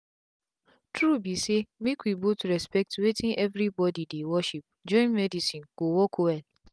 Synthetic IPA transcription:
tʰɹubisemĩkʷibotuɾɛspɛk̚tuwetʰĩŋɛvɾibɔdidewɔʃip̚d͡ʒɔ̃ɪ̃nmɛdisĩnɡ̥owɔkʰowɛl

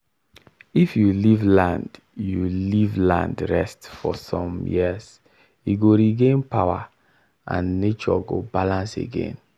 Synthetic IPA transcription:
ifjulivlãnd | julivlã̰ndɹɛstfɔsɔ̃mjḭəz | iɡoɹiɡẽnpawa | ʔã̰nːet͡ʃɔ̰ɡobalãnsḛɡḛ̃n

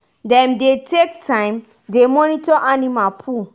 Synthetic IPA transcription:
dɛ̃mdetek̚tʰãɪ̃m | demɔnitɔʔanimapʰu

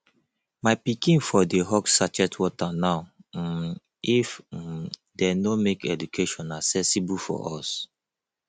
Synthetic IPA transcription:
maɪpikĩnfɔdeɦɔksat͡ʃɛtʰwɔtanaʊ | if | denomekɛ̰dukʰeʃɔ̃nasɛsibufɔ̰ʔɔs

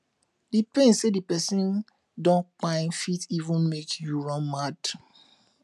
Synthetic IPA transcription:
dipẽnsedipɛsĩn | dɔ̃nk͡pãɪ̃nfitivũnmekjuɹɔ̃nmad

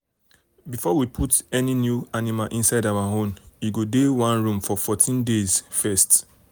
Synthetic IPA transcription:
bifɔwipʰutɛninjuanimalʔĩnsaɪdawaɦõmiɡodewãnɹũmfɔfɔtʰĩndezfɛst

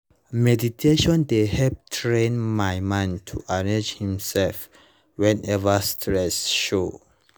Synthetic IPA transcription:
mɛditʰeʃɔ̃ndehɛp̚tʰɹẽnmajmãntʰuʔaɹed͡ʒhĩmsɛlf | wɛ̃nɛvastʰɹɛsʃo

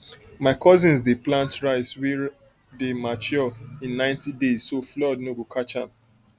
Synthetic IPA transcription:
maɪkʰɔzĩnsdeplãntɹaɪswi | demat͡ʃɔĩnːãɪ̃ntidezsoflɔdnobokʰat͡ʃãm

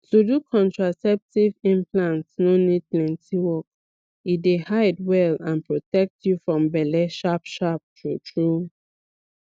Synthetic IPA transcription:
tudukʰɔ̃ntɹasɛp̚tivĩmpʰlãntsnonid̚plɛ̃ntʰiwɔk̚ | idehaɪdwɛlãnpɹɔtɛk̚tjufɹɔ̃mbɛlɛʃapʃap̚tɹutʰɹu

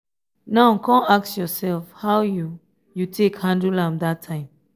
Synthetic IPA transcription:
naʊkʰɔ̃naksjɔsɛlfhaʊju | jutʰekhãndulãmdatʰːãɪ̃m

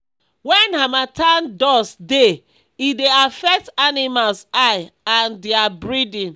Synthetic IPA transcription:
wɛ̃nhamatãndɔsde | ideafɛk̚tanimalsaɪãndiabɹidĩn

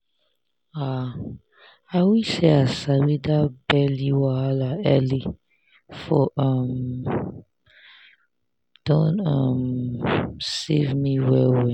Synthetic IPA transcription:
a | awiseasawidabɛliwaalaɛli | fɔʔʌm | d̥ɔ̃nʌm | sevmiwɛwɛ

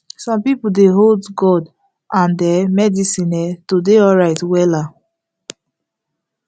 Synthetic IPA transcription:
sɔ̃mpipudeɦoldɡɔd | ʔãndɛmɛdisĩnɛtodeɔɹaɪtwɛla

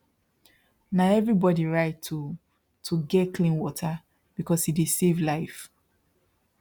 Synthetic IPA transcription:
naʊɛvɹibɔdiɹaɪtʰːu | tʰuɡɛtkʰlĩnwɔtʰa | b̥ikɔshidisevlaɪf

